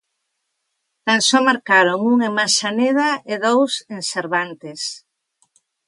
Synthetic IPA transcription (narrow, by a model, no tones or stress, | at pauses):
t̪ansɔmaɾkaɾoŋuŋemaʃaneð̞aɪðowsenseɾβant̪ɪs